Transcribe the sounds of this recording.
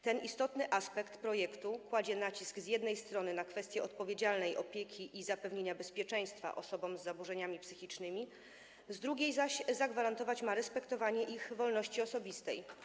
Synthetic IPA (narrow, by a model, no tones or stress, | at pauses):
t̪ɛnist̪ɔt̪nɘʔaspɛkt̪pɾɔjɛkt̪ukwad͡ʑɛnat͡ɕiskzʲjɛd̪nɛjst̪ɾɔnɘnakfɛst̪ʲjɛɔt̪̚pɔvʲjed͡ʑalnɛjʔɔpʲjɛkʲʰiʔizapɛvɲeɲabɛspʲjɛt͡ʂɛ̃j̃st̪fa̰ʔɔsɔbɔmzːabuʐɛɲamʲipsɘxʲit͡ʂnɘmʲi | zd̪ɾuɡʲejzaɕzaɡvaɾant̪ɔvat͡ɕmaɾɛspɛkt̪ɔvaɲɛʔixvɔlnɔɕt͡ɕiɔsɔbʲist̪ɛj